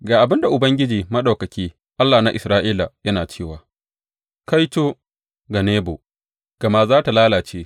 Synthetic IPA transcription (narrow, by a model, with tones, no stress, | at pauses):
ɡaː˨ʔa˨bɪ˦nda˨ʔʊ˨bɐ˦ŋɡʲɪ˦d͡ʒiː˨mɐ˦ɗa˨kɐ˨kʲiː˦ | ʔa˦lːaː˨na˦ʔɪ˨sɾaː˦ʔiː˦la˨jɐ˦naː˨t͡ʃeː˦˨waː˨ | ka˦jtoː˦ | ɡa˨neː˦bo̰˨ | ɡ̥ɐ˨ma˦zaː˦ta˨laː˦laː˨t͡ʃeː˦